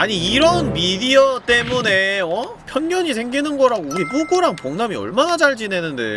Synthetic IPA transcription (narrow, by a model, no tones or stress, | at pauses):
aɲiiɾʌnmidiʌt͈e̞mune̞ʌ | pʰjʌŋɲʌɲis̬ʰe̞ŋɡinɯnɡʌɾaɡouɾipuɡoɾaŋpoŋnamiʌ̰ɭmanad͡ʑaɭd͡ʑine̞nɯnde̞̰